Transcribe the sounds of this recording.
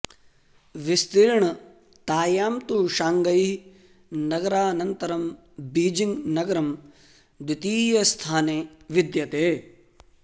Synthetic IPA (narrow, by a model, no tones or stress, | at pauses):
ʋist̪iɾɳɐ | t̪aːjaːmt̪uʃaːŋɡɐj | nɐɡɐɾaːnɐnt̪ɐɾɐm | biːd͡ʒiŋɡnɐɡɐɾɐm | d̪it̪iːjɐst̪ʰaːneːʋid̪jɐt̪eː